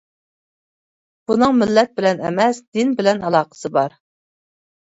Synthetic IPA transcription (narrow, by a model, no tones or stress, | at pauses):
b̥unɨŋmɪlːɛt̪̚bɪlɛnɛ̰mɛsd̪ɪnbɪlɛnɑlˠɑːqə̥sɨbɑɾ